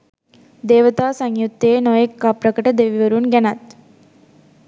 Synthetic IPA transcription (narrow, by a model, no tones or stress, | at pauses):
d̪eːʋɐt̪aːsɐŋjut̪ːeːnoːjɐkːaːpɾɐkɐʈɐd̪eːʋiʋɐɾunɡɐnat̪